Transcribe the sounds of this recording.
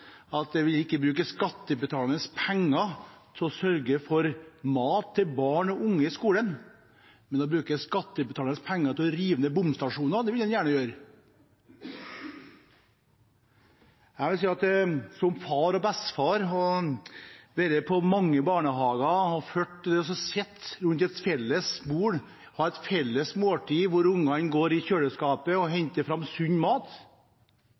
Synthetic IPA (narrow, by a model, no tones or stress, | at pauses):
ɑt̪̚d̪ɛʋɪlɪkːəbɾʉːkəskɑt̪ːəbət̪ʰɑːlənəspʰɛŋːɑt̪ʰɪlɔsœɾɡəfɔɾmɑːt̪ʰːɪlbɑːɳɔʔʊŋːəɪskuːlən | mɛnd̪ɛbɾʉːkəskɑt̪ːəbt̪ʰɑːlənəspʰæŋːɑɾt̪ʰɪlɔɾiːʋənəbʊmst̪ɑʂuːnɑɾd̪ɛʋɪld̪ɛnjæːɳəjøːɾ | æɪʋɪlsiːɑt̪sɔmfɑɾɔbɛst̪fɑːɾɔ | ʋ̪ɛɾəpʰɔmɑŋːəbɑːɳəɦɑːɡɑhɑføːʈːd̪ɛɔs̬ɔsɛt̪ːɾʉnt̪ɛt̪fɛlːəsbuːɽ | hɑɾɛt̪fɛlːəsmoːʈʰiːʋʊɾʊŋːɑnɡoːɾɪçøːɽəskɑːpəɔɦɛɲt̪əfɾɑmsʉɲːmɑːt̪